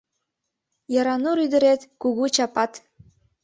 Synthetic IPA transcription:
jɑɾɑnuɾyd̪ə̆ɾet̪kuɣut͡ɕɑpɑt̪

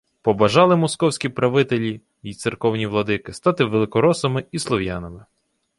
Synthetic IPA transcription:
pɔbɐʒɑlˠɪmɔskɔwsʲkʲipɾɐʋɪt̪elʲi | it̪sɪrkɔwnʲiʋlˠɔd̪ɪkɪst̪ɑt̪ɪʋelˠɪkɔɾɔsɐmɪislˠɔwjanɐmɪ

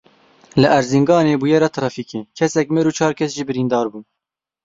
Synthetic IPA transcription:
lɨʔæɾziŋɡɑːneːbujɛɾɑt̪ʰɾɑːfiːkeːkʰɛsɛkmeːɾuːt͡ʃʰɑːɾkʰɛsʒiːbɨɾiːnd̪ɑːɾbuːn

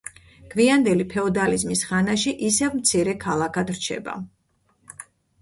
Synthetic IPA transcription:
kʰviand̪ɛlipʰɛɔd̪alizmisχanaʃiʔisɛvmt̪sʰiɾɛkʰalˠakʰad̪ɾt͡ʃʰɛ̰ba̰

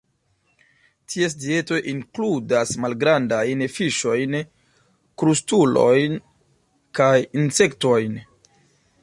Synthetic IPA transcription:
tʰies̬die̞to̞ʔiŋkludasmalɡɾandajnfiʃo̞jn | kɾustulo̞̰jn | kajinse̞kto̞jn

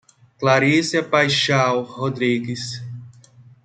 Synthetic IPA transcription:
klaɾisiɐpajʃawhod̪ɾiɡis

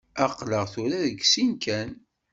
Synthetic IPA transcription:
æqləʁθʊɾæðəɡsinkʰæn

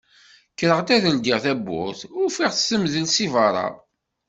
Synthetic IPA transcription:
kːɾəʁt̪æðəld̪iʁθæbːʊ̰θʊɾfiʁθsəmðəlsivɑɾˤɑ̰

